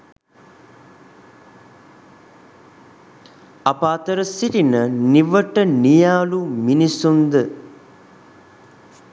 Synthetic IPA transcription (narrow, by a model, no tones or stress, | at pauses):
apaːt̪əɾəsiɾinəniʋəʈənijaːluminisund̪ə